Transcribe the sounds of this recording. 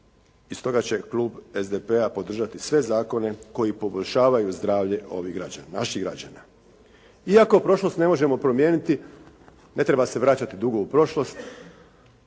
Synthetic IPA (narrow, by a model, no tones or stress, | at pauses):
ist̪o̞ɡat͡ɕe̞klˠuːbezd̪epe̞apo̞d̪r̩ʒat̪isʋe̞zaːko̞ne̞ko̞jipo̞boʎʲʃaːʋajuzd̪ɾaːʋʎe̞ʔo̞̰ʋiɡɾa̰d͡ʑa̰nana̰ʃiɡɾa̰d͡ʑa̰na | iakopɾo̞ʃlo̞st̪ne̞mo̞ʒe̞mo̞pɾo̞mje̞ːnit̪i | ne̞t̪ɾe̞base̞ʋɾat͡ɕat̪id̪uɡoupɾo̞ʃlˠo̞st̪